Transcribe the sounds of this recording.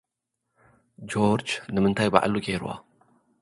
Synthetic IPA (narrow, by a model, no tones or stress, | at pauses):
d͡ʒoɾd͡ʒnɨmɨnt̪ʰajba̰ʔa̰luɡeɾwʔa̰